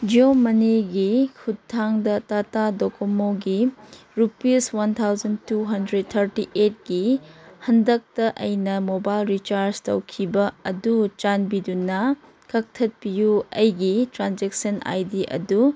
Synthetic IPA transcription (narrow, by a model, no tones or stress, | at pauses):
d͡ʒiomɐniɡikʰutʰːaŋdɐtatadokomoɡiɾupeswɐntʰawd͡ʒɐntuɦɐndɾed̚t̪ʰɐɾtiʔet̚ɡ̥ihɐndɐk̚tɐʔɐjnɐmobajlɾit͡ʃaɾd͡ʒtɐwkʰibɐɐdut͡ʃanbidunɐ | kɐk̚tʰɐt̚pijuɐjɡitɾand͡ʒek̚sɐna̰jdiʔɐ̰du